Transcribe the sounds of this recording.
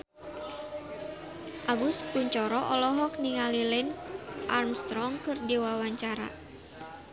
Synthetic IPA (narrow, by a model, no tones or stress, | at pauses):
ʔaɡust̪kuɲt͡ʃɔɾɔʔɔlɔɦɔk̚niŋalilɛnsʔarmst̪ɾɔŋkɨrdiwawaɲt͡ʃaɾa̰